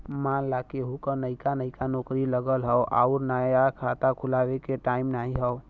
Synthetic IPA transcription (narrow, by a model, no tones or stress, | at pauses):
manlakeɦukənəjkanəɪkanokɾiləɡəlɦəwʔa̰uɾnajakʰat̪akʰulabekeʈaimnaɦiɦəʊ